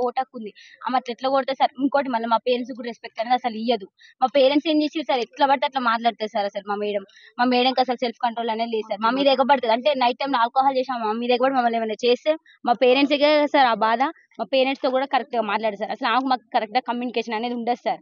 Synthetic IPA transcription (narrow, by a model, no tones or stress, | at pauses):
oːʈɐkːund̪ia̰ːmɐʈlɐeʈlɐkoːɾt̪esaːɾiŋkoːɐʈ̬imɐlːɐmaːpeːɾens̬kuːɽaɾespek̚ʈɐneːd̪ɐsɐlijɐd̪u | maːpeːɾeɳʈse̞ːmd͡ʒeːsind̪saːɾɛʈlɐbɐʈt̪ɐʈlaːmaːʈ̬laːɽt̪eːsaːɾɐsɐlmaːmeːɽɐm | maːmɛːɽɐŋkɐsɐlselpʰkɐɳʈɾoːlɐne̞ːd̪ileːssaːɾmaːmiːd̪ɐɛɡɐbɐɽt̪ɐd̪ɐɳʈe̞nɐjʈ̚ːɐjmlaːlkɔːɦaːlt͡ʃeːʃaːaːmiːd̪ɐɛɡɐbɐʈimɐmːɐleʋɐnɐt͡ʃeːst̪e | maːpeːɾeɳʈseɡeasaːɾaːbaːd̪a | maːpeːɾeɳʈst̪o̞ːkuːɽaːkɐɾek̚ʈɐɡaːmaːʈlaːɽsaːɾɐsɐlaːmɐkumaːkukɐɾek̚ʈɡaːkɐmjuːnikeːʃɐnɐne̞ːd̪iuɳɖɐssaːɾ